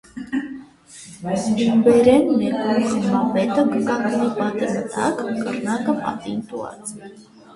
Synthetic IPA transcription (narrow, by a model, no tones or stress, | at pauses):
dubɛɾɛnːɛkuɾχmɑpɛt̪əkəkɑk̪nipɑt̪imət̪ɑ̰kːə̰rnɑkəpɑ̰t̪int̪uɑ̰t͡s